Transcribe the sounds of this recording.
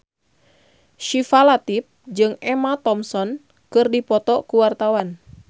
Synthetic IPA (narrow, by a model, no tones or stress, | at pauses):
ʃifalat̪ip̚d͡ʒɨŋɛmat̪ɔmsɔn | kɨrdipɔt̪ɔkuwart̪awan